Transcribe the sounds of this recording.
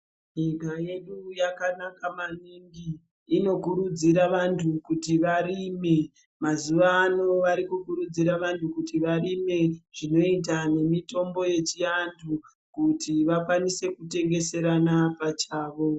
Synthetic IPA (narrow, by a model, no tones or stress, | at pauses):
ɲikaje̞ɗujakanakamaniŋɡiː | no̞kuɾud͡ziɾaʋantʰukutiʋarime | mazuʋaːno̞ʋaɾikukuɾud͡ziɾaʋantukutiʋarime̞ʐ̥ino̞it̬ane̞mito̞mbo̞je̞t͡ʃiandʰu | kutiʋakwanise̞kute̞ŋɡe̞se̞ɾanapat͡ʃaːʋo̞